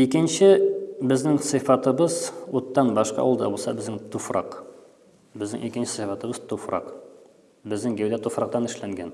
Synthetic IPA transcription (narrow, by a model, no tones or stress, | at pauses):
ikɘ̆nɕɘbɘ̆znɘŋsɨ̆fɑt̪ɤ̆bɤzut̪ːɑnbɒʃqɑ̰ɒ̰wɤlˠd̪ɑ̰bulˠsɑbɘ̆znɘŋt̪ufrɑ̰q | bɘ̆znɘ̰ŋikɘ̆nɕɘ̥sɤfɑt̪ɤ̆bɤz̥t̪ufrɑ̰q | bɘ̆znɘŋɡæwd̪æt̪ufɾɑq̚t̪ɑnɘ̆ʃlæŋɡæn